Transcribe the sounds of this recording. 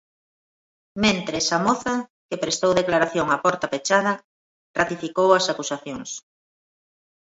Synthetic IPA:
mẽnt̪ɾesamoθakepɾest̪owðeklaɾaθjoŋapɔɾt̪ɐpet͡ʃað̞ɐ | rat̪ifikowɐsakusaθjoŋs

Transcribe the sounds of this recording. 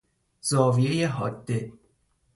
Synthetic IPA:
z̥ɒːvije̞jeɦɒːd̪ːe

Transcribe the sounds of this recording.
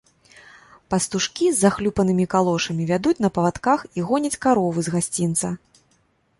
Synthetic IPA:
pɐst̪uʂkʲizːaxlʲupɐnɨmʲikalˠɔʂɐmʲivʲad̪ut͡sʲnɐpɐvat̪kaxiɣɔnʲɐt͡sʲkaɾɔvɨzɣasʲt͡sʲint̪sɐ

